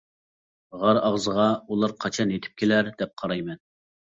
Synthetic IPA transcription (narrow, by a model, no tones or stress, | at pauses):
ʁɑɾɑʁzəʁɑulˠɑɾqʰɑt͡ʃʰɑnet̪ʰɪ̥p̚kʲʰelæɾd̪ɛp̚qʰɑɾɑjmɛn